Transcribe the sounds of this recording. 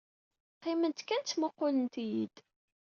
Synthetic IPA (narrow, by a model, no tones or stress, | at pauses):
qːɪmənt̪kænməqːʊlənt̪ijid̪̥